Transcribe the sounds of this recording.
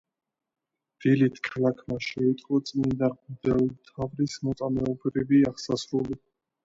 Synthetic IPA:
d̪̥ilit̪ʰkʰalˠakʰmaʃɛit̪ʼqʼɔt̪sʼind̪aʁmd̪ɛlˠmt̪ʰavɾismɔt̪sʼamɛɔbɾiviaʁsasɾuli

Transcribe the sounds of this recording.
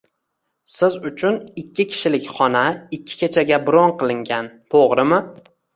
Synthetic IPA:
sɪzʊt͡ʃʰʊnɪkʲːɪkʲʰɪ̥ʃɪlɪkʲχɒnaɪkʲʰːɪ̥kʲet͡ʃʰaɡʲabʊɾɒnqʰɨlˠɪŋɡʲant̪ʰoʁɾɪmɪ

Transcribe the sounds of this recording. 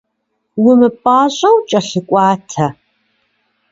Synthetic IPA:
wʊmɨpʼaːʑʼɐwt͡ʃʼɐɬɨkʷʼɑːtʰɐ

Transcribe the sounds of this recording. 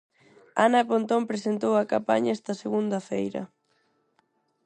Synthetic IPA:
anɐpont̪ompɾesent̪owɐkampaɲaɛst̪ɐseɣund̪ɐfejɾɐ̰

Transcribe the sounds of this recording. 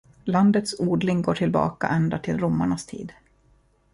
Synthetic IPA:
land̪ət̪suːɖ̪lɪŋɡoːʈʰɪlbɑ̰ːka̰ʔɛnd̪at̪ʰɪlɾʊmːaɳast̪ʰḭːd̪

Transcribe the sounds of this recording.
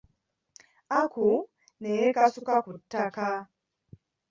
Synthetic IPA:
aku | neekasukakutːaka

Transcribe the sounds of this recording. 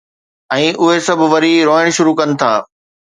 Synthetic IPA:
ɛ̃ːʔʊɦesɐbʱʋɐɾiɾoːəɽ̃ʃʊɾukɐnɪ̆t̪ʰa̰ː

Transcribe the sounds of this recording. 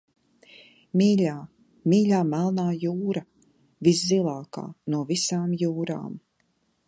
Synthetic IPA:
miːlʲaː | miːʎʲaːmælˠnaːjuːɾɐ | viszilˠaːka̰ːnuɔvisaːmjuːɾa̰ːm

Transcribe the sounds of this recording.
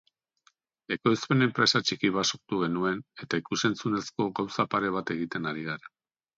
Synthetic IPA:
e̞kojspe̞ne̞mpɾe̞sat͡ʃikiβ̞asoɾt̪uɣ̞e̞nue̞ne̞t̪aikuse̞nt͡sune̞sko̞ɣawsapaɾe̞β̞at̪e̞ɣ̞it̪e̞naɾiɣaɾa

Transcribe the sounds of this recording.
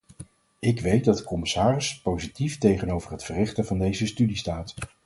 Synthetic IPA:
ɪkʋej̚dɑd̚dəkɔmɪsaːrɪspowzitiftejχənowvərɦətfərɪχtəvɑndejzəstydistaːt

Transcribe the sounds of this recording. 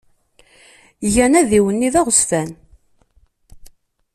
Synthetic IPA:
jænæðiwənːiðæʁəsfæn

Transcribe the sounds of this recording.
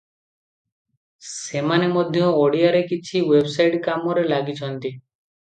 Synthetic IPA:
semanemɔd̪ʱjɔ̃oɽijaɾekit͡ʃʰiwebsajʈkamɔɾelaɡit͡ʃʰɔnt̪i

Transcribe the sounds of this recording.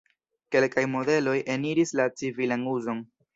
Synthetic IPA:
ke̞lkajmo̞de̞lo̞jʔe̞niɾislat͡sivilanuzo̞n

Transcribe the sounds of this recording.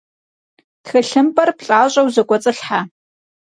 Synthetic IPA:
txɐɬɨmpʼɐrpɬʼaːɕʼɐwzɐkʷʼɔt͡sʼɨɬħa

